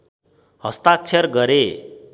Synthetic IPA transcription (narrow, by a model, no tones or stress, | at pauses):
hʌst̪at͡sʰerɡʌɾe